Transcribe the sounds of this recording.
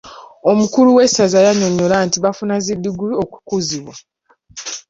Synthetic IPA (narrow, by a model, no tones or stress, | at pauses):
omukuluwe̞sazajaɲo̞ɲolaːntiβafunazidːuɡuluoku̥kuziβwa